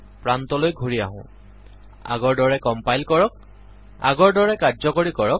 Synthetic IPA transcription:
pɹantɔlojɡʱuɹia̰ɦʊ̰̃ | a̰ɡɔɹdɔɹɛkɔmpajlkɔɹɔk̚ | a̰ɡɔɹdɔɹɛkazɔkoɹikɔɹɔk

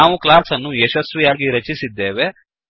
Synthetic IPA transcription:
aːʋuklaːsɐnːuɛʃɐsʋijaːɡiɾɐt͡ʃisid̪ːeːʋe̞

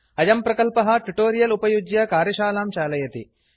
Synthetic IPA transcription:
ɐjɐmpɾɐkɐlpɐɦɐ̆ʈuʈoːɾijɐlupɐjud͡ʒjɐkaːɾjɐʃaːlaːmt͡ʃaːlɐjɐt̪ḭ

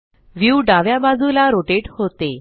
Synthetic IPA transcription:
ʋjuɖaʋjabad͡zʱulaɾoʈeʈhot̪e

